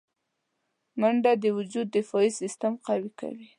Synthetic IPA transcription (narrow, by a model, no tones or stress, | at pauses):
maɳɖad̪əwʊd͡ʒud̪ːɪfɑisɪst̪amqawika̰wi